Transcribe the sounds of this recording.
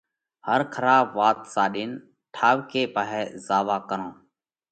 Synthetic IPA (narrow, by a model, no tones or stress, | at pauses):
həɾkʰəɾaːbʋaːt̪saːɗiːn | ʈʰaːʋkeːpaɦɛːzaːʋaːkəɾõː